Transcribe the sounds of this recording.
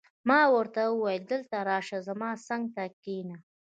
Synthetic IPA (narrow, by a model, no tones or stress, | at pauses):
mɑwəɾt̪aəwajəld̪əlt̪aɾɑʃazamɑsaŋɡ̚t̪akina